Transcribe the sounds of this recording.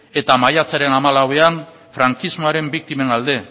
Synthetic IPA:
e̞t̪amajat͡saɾe̞namalawe̞an | fɾaŋkizmoaɾe̞mbik̚t̪ime̞nald̪e̞

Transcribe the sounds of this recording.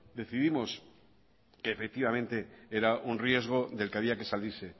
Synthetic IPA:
d̪e̞θiðimo̞s | ke̞ːfe̞k̚t̪iβamẽ̞nt̪e̞eɾaʔunrie̞zɣ̞o̞ðe̞lkeaβ̞iake̞salise̞

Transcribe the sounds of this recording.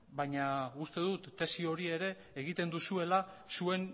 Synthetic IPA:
bajɲaust̪e̞ðut̪ːe̞sio̞ɾie̞ɾe̞ːɣ̞it̪e̞nd̪usue̞lasue̞n

